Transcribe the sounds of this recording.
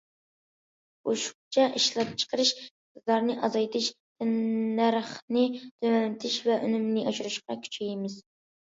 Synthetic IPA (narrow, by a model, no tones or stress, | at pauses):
oʃu̥χt͡ʃʰɑʔiʃlˠɑp̚t͡ʃʰə̥qʰəɾɨʃ | ɨzlɑɾnɨʔɑzɑjt̪ʰɪʃt̪ʰɪnːæɾχnɨt̪ʰømɛnɪt̪ʰɪʃvɛʔy̰nymnɪʔɑʃuɾɨʃqɑkʲʰy̥t͡ʃʰijmɪz̥